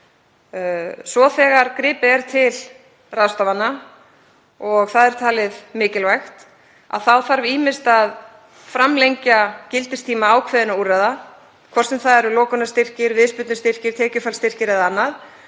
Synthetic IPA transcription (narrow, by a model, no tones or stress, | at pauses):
svɔθɛːɣaɾkɾɪːpɪɛɾ̥t̪ʰɪl | raðst̪ɔvanːa | ɔɣθaðɛɾ̥t̪ʰaːlɪðmɪːcɪlvajxt̪ | a̰ðθawθaɾviːmɪst̪að | fɾamlejɲcacɪlt̪ɪst̪ʰiːmaaːwkʰvɛːðɪnauraða | kʰvɔrsɛmθaðɛɾʏlɔːkʏnast̪ɪr̥cɪɾvɪðspʏt̪nɪst̪ɪr̥cɪɾ̥t̪ʰɛːcʏfalst̪ɪr̥cɪɾɛðaanːað